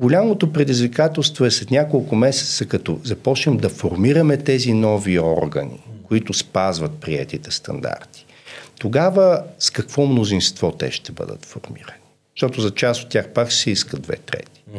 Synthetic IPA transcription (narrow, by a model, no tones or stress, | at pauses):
ɡolʲamot̪opɾɛd̪izvikat̪ɛlˠst̪voɛslɛt̪nʲakolˠkʊmɛsɛ̥t̪səkɐt̪ɔzɐpɔt͡ʃnɛmd̪ɐfoɾmiɾəmɛt̪ɛzinɔviɔ̰ɾɡə̰nḭkoit̪ʊspazvət̪̚pɾiɛ̰t̪it̪ɛst̪ɐ̰nd̪a̰ɾt̪i̥ | t̪oɡavəskɐkv̥ɔmnozinst̪vɔt̪ɛ̰ʃt̪ɛbə̰d̪ə̰t̪fo̰ɾmḭɾəni | ʃt̪ɔt̪ʊzɐt͡ʃasot̪ːjaxpaksɛiskəd̪vɛ̰t̪ɾɛ̰t̪i̥